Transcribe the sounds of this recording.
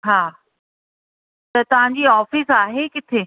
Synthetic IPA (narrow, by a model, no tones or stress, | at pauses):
ɦaː | t̪ɐt̪ɐʋ̤ãɲ̆d͡ʑiːɔːfisaːɦekɪt̪ʰeː